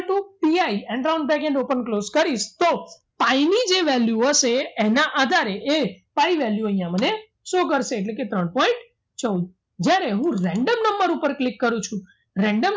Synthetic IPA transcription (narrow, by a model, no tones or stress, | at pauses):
ʈũpiaiɛ̃ɳɖɾaw̃ɳɖbɛkɛ̃ɳɖopənkloskəɾiʃt̪o | painid͡ʒeʋɛljuɦəʃeenãʔad̪ʱaɾeʔepaiʋɛljuə̃ɦĩjãməne | sokəɾʃeːʈ̬leket̪ɾəɳpɔĩɳʈ | t͡ʃə̃d | d͡ʒjaɾeɦũɾɛ̃ɳɖəmnəmbəɾupəɾklikːəɾũt͡ʃʰũ | ɾɛ̃ɳɖəm